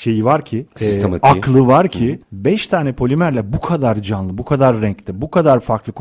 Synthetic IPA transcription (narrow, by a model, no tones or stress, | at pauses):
ʃe̞jivaɾcʰɪakʰlˠɯvaɾcʰɪbɛʃt̪ʰaːnɛpʰo̞lʲymæɾlʲɛbukʰad̪aɾd͡ʒanlˠɯbukʰad̪aɾːɛɲclʲɪbukʰad̪aɾfaɾklˠɯk